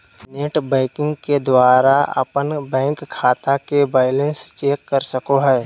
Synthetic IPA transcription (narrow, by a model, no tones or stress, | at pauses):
neːʈbɛ̃ːɪkɪ̃ŋɡked̪waːɾaɐ̰pənbɛ̃ːŋkʰːaːt̪akebaːɪlə̃nst͡ʃeːkːəɾsəkoɦɛː